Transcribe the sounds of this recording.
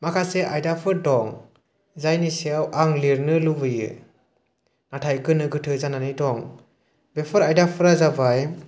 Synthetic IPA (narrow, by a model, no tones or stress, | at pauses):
makʰaseʔajdapʰɯɾdɔŋ | zajniseawʔaŋliɾnɯlubɯjɯ̰ | natʰajkɯnɯɡɯtʰɯzananidɔŋ | bepʰɯɾajdapʰɯɾazabaj